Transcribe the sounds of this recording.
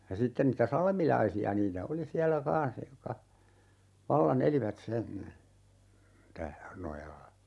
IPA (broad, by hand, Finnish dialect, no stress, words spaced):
jɑ sitːen nitæ sɑlmilɑisiɑ niːtæ oli siælːæ kɑ̃ːs jokːɑ ʋɑlːɑn eliʋæt sen tæ nojɑlːɑ